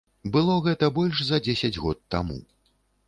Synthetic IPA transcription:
bɨlˠɔɣɛt̪ɐbɔlʲʂzɐd͡zʲesʲɐd͡zʲɣɔt̪ːa̰mṵ

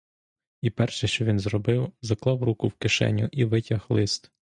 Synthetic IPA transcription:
ipɛrʃɛʃt͡ʃɔʋʲinzɾɔbɪwzɐklˠɑwrukʊwkɪʃɛ̰nʲːʊʔiʋɪtʲɐxlˠɪst̪

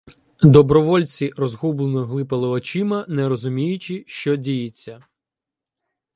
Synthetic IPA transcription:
d̪ɔbɾɔʋɔlʲt͡sʲirɔzɦublˠenɔɦlˠɪpɐlˠɪɔt͡ʃɪmɐnɛɾɔzʊmʲijʊt͡ʃɪʃt͡ʃɔdʲijɪt͡sʲːɐ

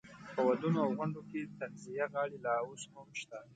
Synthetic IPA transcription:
pəwad̪unoawɣʊɳɖoket̪anzijaɣɑɽelɑoshʊmʃt̪a

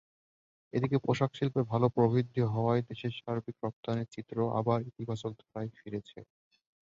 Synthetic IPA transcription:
ed̪ikepoʃakʃilpebʱalopɾobʱid̪ʱːjoɦɔoaed̪eʃeɾʃaɾbikɾɔp̚t̪aneɾt͡ɕit̪ːɾoʔa̰baɾit̪ibʱaʃok̚d̪ʱaɾajfiɾet͡ɕʰḛ

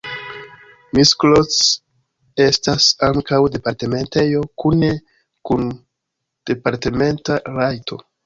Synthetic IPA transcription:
misklot͡s | e̞stasaŋkawde̞paɾte̞me̞nte̞jo̞kune̞ | kun | d̥e̞paɾte̞me̞ntaɾajtʰo̞̰

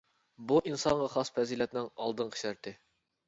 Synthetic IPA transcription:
buʔinsɑɴʁɑχɑspʰɛzilɛt̪nɪŋɑlˠd̪ɨnqʰə̥ʃæɾt̪ɪ

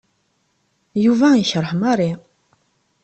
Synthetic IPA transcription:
juvæiçəɾˤəħmɑɾˤi

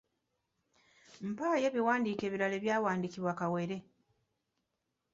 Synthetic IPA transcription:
m̩paːje̞ːβiwaːndiːke̞ːβiɾale̞ːβjaːwaːndikiβwakawe̞ɾe̞

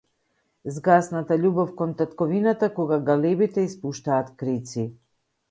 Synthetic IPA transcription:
zɡasnat̪aʎubɔfkɔnt̪at̪kɔvinat̪akɔɡaɡalɛbit̪ɛispuʃt̪aːt̪kɾit̪si

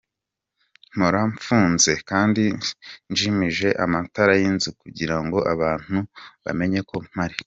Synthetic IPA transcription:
n̥oɾaɱfuːnze̞kaːndinʒimiʒe̞ʔamataɾajinzikuɟiɾaŋɡo̞ʔaβaːn̥uβa̰me̞ɲeko̞m̥haɾi

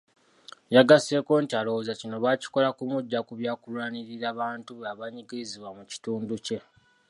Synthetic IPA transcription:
jaɡase̞ːko̞ːntialowozacino̞βaci̥ko̞lakumuɟːakuβjaːkulwaːniɾiɾaːβaːntuβaβaɲiɡiiziβwamuci̥tuːnduce̞

